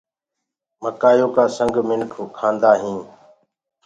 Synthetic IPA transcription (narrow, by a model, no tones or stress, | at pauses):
məkaːjõːkaːsəŋɡmɪnkʰokʰãːnd̪aːɦĩː